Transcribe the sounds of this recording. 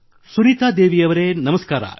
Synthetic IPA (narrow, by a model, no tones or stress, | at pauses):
suɾiːt̪aːd̪eːʋijɐʋɐɾenɐmɐskaːɾa̰